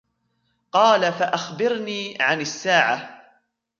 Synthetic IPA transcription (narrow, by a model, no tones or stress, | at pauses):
qɑːlafaʔaxbɪɾniːʕanasːaːʕa